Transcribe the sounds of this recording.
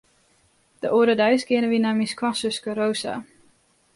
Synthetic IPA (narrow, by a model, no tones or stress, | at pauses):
d̥əʔoːdədaɥsɡɪənəʋinamiskʰwasøskəɾowsa̰